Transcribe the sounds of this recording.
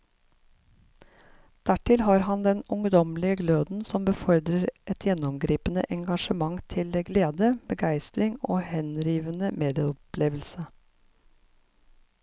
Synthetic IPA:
d̪̥æʈɪlhɑːɾhɑnd̪ɛnʊŋd̪ɔmlɪəɡløːd̪n̩sɔmbəfɔɾd̪ɾəɾʔɛt̪jɛnɔmɡɾiːpənə̰ʔɛŋɡɑʃəmɑŋt̪ʰɪləɡleːd̪əbəɡæɪst̪ɾɪŋo̰ːhɛnɾiːʋənəmeːd̪ɪəɔpleːʋəl̩sə

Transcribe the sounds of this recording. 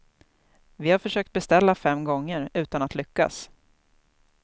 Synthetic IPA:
vɪhaɾfœʂøːkt̪̚bɛst̪ɛlːafɛmːɡɔŋːəɾʉ̟ːt̪anat̪lʏkːa̰s

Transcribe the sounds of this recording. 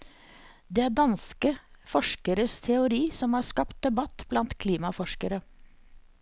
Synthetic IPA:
d̪eːæːɖɑnskəfɔʃkəɾəst̪ʰɛʊɾiːsɔmhɑːskɑpt̪̚d̪ɛbɑt̪blɑnt̪kʰliːmɑfɔʃkəɾə

